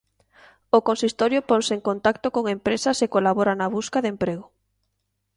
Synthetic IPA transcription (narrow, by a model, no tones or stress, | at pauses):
okonsist̪oɾjopoŋseŋkont̪akt̪okoŋempɾesɐsekolaβoɾanaβuskaðempɾeɣ̞o